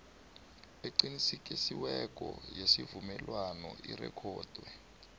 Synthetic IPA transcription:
eǃinisik̬ʼisiwɛk̬ʼɔ̰jesivumɛlwanɔʔirɛ̰kʰɔːd̥ʱwɛ

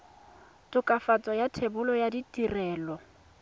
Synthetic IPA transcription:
tʼʊkʼafat͡sʼɔjatʰebʊlɔjaditʼirɛːlɔ

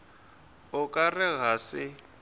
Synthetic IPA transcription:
ʊkʼarɪɣasɪ

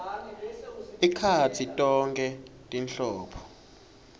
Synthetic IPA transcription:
ikʰat͡sʰitʼɔŋkʼɛtʼinɬɔːpʰɔ̥

